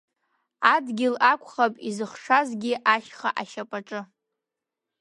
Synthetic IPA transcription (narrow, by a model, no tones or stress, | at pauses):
adɡʲɪlakʷʰʼχapʼizɨχʂazɡʲɪʔaʃχaʔaʃapʼaʈ͡ʂʼɨ